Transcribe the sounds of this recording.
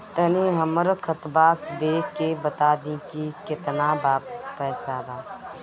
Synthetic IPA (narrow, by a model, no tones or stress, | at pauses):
t̪əniːɦəməɾkʰət̪baːkd̪eːkebət̪aːd̪ĩkikɪt̪naːbaːppɛːsaːb̪aː